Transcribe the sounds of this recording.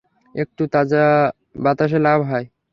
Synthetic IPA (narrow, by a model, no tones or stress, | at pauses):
ek̚ʈut̪ad͡ʑa | bat̪aʃ̬elabʱɦɔe